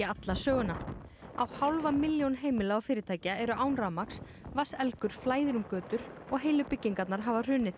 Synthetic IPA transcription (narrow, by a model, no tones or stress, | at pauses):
at̪lasœːɣʏnːaawhawlvamɪljownɦeːjmɪlaawfɪːɾɪt̪ʰaːjcɪaɛɾʏʔaːwnɾamaks | vasɛlkʏɾ̥flaːjðɪɾʏmkœːt̪ʏɾɔɣɦeːjlʏpɪcːiŋkat̪naɾ̥ɦaːvar̥ʏːnɪθ